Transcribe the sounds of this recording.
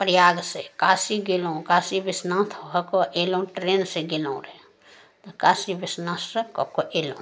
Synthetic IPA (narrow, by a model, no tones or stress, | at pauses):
pɾjaɡsekaːsiɡelõkaːsibɪsnãt̪ʰoɦəkoʔelõʈɾeːnseɡilõɾe | t̪ɔkaːsibɪsnãsːekɔkoʔelõ̰